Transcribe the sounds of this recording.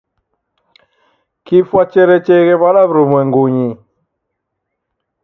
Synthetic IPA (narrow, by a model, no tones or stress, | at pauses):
kifwat͡ʃɛɾɛt͡ʃɛɣɛβalaβɾumwɛŋɡuɲi